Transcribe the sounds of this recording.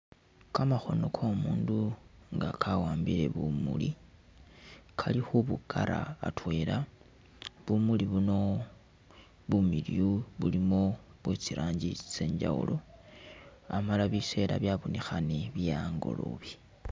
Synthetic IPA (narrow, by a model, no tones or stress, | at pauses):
kamaxo̞no̞kʰomuːnduŋɡa̰kʰawaːmbiɾe̞̰βumṵlḭ | kʰalixuβukʰaɾa̰ːtwe̞ːla | βumuliβuno̞ | βumiljuβulimoβwe̞t͡siɾʔaːɲɟit͡se̞ːɲd͡ʒa̰wṵlʔo̞ | amalaβise̞ːɾaβjaβonixaneβjaŋɡo̞̰lo̰βi